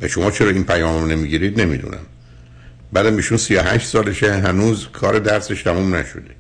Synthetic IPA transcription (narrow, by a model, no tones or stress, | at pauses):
væ̰ʃo̞mɒːt͡ʃʰeɾɒːiːnpʰæjɒːmmnemiːɡiːɾiːd̪ne̞mḭd̪ṵnʔæ̰m | bæːd̪æmiːʃunsijoɦæ̰ʃt̪sɒːleʃeɦænuːzkʰɒːɾʔed̪æɾseʃt̪ʰæmuːmnæʃod̪e